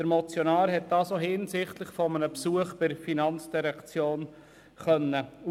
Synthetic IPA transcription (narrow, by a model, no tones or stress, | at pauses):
d̥əɾmɔt͡sjonɑːɾɦɛt̚d̥ɑːsohɪnsɪχtlɪχfɔmənəpsuəχb̥ɪɾfinɑnt͡sd̥iɾɛkt͡sjoːn | χœnːəu